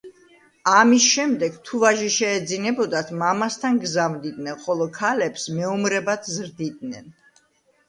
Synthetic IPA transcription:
amisʃɛmd̪ɛɡt̪ʰuvaʒiʃɛːd̪zinɛbɔd̪at̪ʰmamast̪ʰanɡzavnd̪id̪nɛnχɔlˠɔkʰalɛpsmɛumɾɛbat̪ʰzɾd̪id̪nɛn

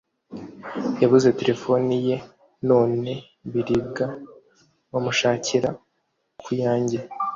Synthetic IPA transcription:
jaβuze̞te̞ɾe̞fo̞nije̞ | no̞ːne̞ | βiɾiɡa | βamuʃaːciɾa | kʰujaːɲɟi

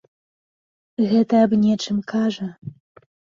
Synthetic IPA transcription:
ɣɛt̪ɐːbnʲɛt͡ʂɨmkaʐɐ

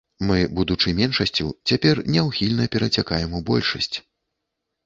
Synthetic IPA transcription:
mɨbud̪ut͡ʂɨjmʲɛnʂɐsʲt͡sʲut͡sʲapʲɛrnʲɛwxʲilʲnɐpʲɛɾɐt͡sʲakajɛmubɔ̰lʲʂɐ̰sʲt͡sʲ

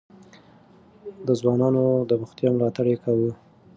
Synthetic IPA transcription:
d̪əzwɑnɑnod̪əɾʊxt̪jɑmlɑt̪aɽekawə

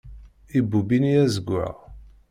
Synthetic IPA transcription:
ibːubiniæzəɡʊʕa̰

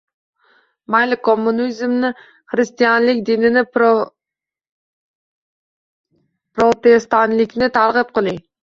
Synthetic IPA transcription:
majlɪkʰomːunizmnɪ | χɾɪst̪ijanlɪkʲd̪ɪnɪnɪ | pɾot̪est̪ɑnlɪkʲnɪt̪ʰaɾʁɨp̚qɨlˠɪ

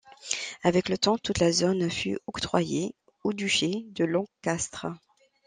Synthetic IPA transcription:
avɛklət̪ɑ̃t̪ut̪lazonfy̰ɔkt̪χwaje | od̪yʃed̪əlɔ̃kast̪χə

